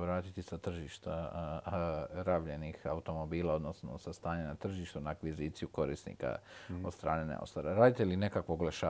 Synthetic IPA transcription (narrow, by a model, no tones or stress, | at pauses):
ʋɾaːt̪it̪isat̪r̩ʒiːʃt̪a | ɾaːʋʎe̞nixaut̪o̞mo̞biːlˠao̞d̪no̞sno̰sast̪aːɲenat̪r̩ʒiːʃt̪unaːkʋiziːt̪sijuko̞ɾḭsnḭka̰od̪st̪ɾa̰ːnenḛo̰st̪oɾaɾaːd̪it̪eline̞kakʋoɡlaʃaː